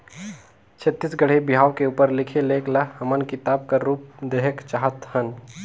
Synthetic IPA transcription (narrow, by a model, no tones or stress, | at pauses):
t͡ʃʰət̪ːɪsɡəɽ̤ebɪɦaːʋkeuːpəɾlɪkʰeleːklɐhɐmənkɪt̪aːb̚kaɾuːp̚d̪eɦəkt͡ʃaɦət̪hən